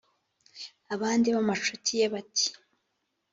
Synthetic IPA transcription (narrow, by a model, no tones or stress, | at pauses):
aβaːndiβamat͡ʃotʰijeβatʰi̥